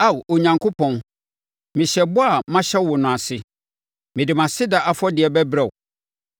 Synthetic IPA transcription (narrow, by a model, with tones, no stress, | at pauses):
a˦˨wo˨ɲã˨ŋkʰo˦pʰɔ̃˨n | mɪ̃˨ɕɛ˨bʊ˦a˨mã˦ɕɛ˦wʊ˨nʊ̃˨a˨sɪ˦ | mɪ̃˨dɪ˨mã˨sɪ˦da˨ʔa˨fɔ˦dɪ˨ɛ˨bɛ˦bɾɛ˨w